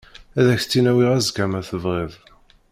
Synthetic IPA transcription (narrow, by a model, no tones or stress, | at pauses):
æðæçt͡sːinæwiʁæzɡæmæθəvʁeðˤ